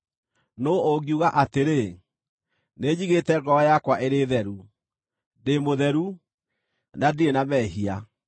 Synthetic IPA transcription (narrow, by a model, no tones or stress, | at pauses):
nooɡiuɣaʔateɾe | ned͡ʑiɣetɛɡɔajakwaʔeɾeːðɛɾu | demoðɛɾu | nadienamɛːɦia